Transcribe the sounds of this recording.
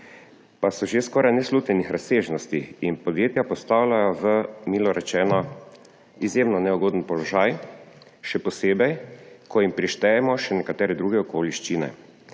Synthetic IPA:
pasɔʒeskɔːɾajnɛsluːt̪nʲɛnixɾaseːʒnɔst̪iinpɔd̪jeːt̪japɔst̪aːwlajɔʋəmiːlɔɾɛt͡ʃɛːnɔ | izjeːmnɔnɛuɡoːd̪n̩pɔlɔʒaːj | ʃɛpɔseːbɛjkɔjimpɾiʃt̪ɛjɛmɔʃɛnɛkat̪ɛːɾɛd̪ɾuːɡɛɔkoliʃt͡ʃinɛ̰

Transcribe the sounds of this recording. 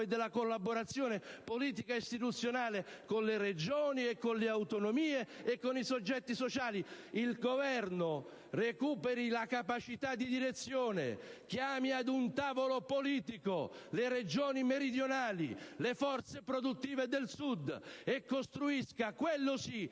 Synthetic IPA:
ed̪elːakolːabːoɾat̪sːjoːnepoliːt̪̬ikaist̪it̪ut̪sːjonaːlekonlered͡ʒoːniekːonleawt̪onomiːeekːonisod͡ʒːɛt̪ːisot͡ʃaːli | ilɡovɛrno | rekuːpeɾilakapat͡ʃit̪ad̪ːid̪iɾet̪sːjoːnḛkjaːmiad̪unt̪aːvolopoliːt̪ikolered͡ʒoːnimeɾid̪jonaːlḭlefɔrt̪sepɾod̪ut̪ːiːved̪elsud̪ːekːost̪ɾuiskakwelːosi

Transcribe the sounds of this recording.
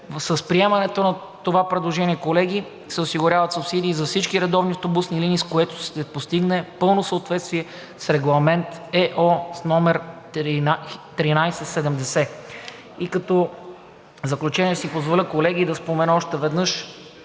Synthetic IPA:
səspɾiɛmɐnɛt̪onɐ | t̪ovapɾɛd̪lˠoʒɛnʲiɛkolɛɡʲi | sɛʊsiɡʊɾʲavɐt̪sʊpsid̪iːzɐfsit͡ʃkiɾɛd̪ɔvniɐft̪obusniliniskoɛt̪o̥ʃt̪ɛpost̪iɡnɛpɤlˠnosəot̪vɛt̪st̪viɛ | sɾɛɡlˠɐmɛnt̪ɛʔɔsnɔmɛɾ | t̪ɾinajsɛsɛd̪ɛmd̪ɛsɛ | ikɐt̪ɔ | zɐklʲut͡ʃɛniɛsipozvolʲəkolɛɡ̟id̪ɐspomɛnəɔʃt̪ɛvɛd̪nɤʃ

